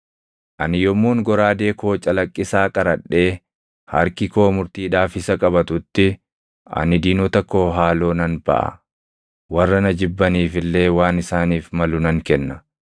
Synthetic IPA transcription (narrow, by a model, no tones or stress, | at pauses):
ʔɐnɪjɔmːuːŋɡɔɾaːd̪e̞ːko̞ːt͡ʃʼɐlɐkʼːɪsaːkʼɐɾɐᶑːe̞ː | hɐ̰ɾkɪko̞ːmʊɾt̪iːᶑaːfɪsɐkʼɐbɐt̪ʊt̪ːɪ | ʔɐ̰nɪd̪iːnɔt̪ɐkːo̞ːɦaːlo̞ːnɐnbɐ̰ʔɐ̰ | wɐrːɐnɐd͡ʒɪbːɐniːfɪlːe̞ːwaːnɪsaːniːfmɐlʊnɐŋkɛnːɐ